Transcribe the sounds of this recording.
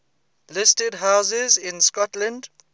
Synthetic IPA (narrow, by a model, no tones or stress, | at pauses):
lɪstədɦaʊsɪzɪ̃nskɔtlə̃nd